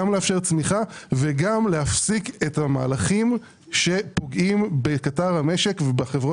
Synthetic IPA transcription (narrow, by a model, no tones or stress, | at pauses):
amleafʃe̞ʁt͡smiχaveɡamleafsikethama̰ːlaχim | ʃe̞po̞ɡʔimbekataʁhame̞ʃe̞kvebaχevʁo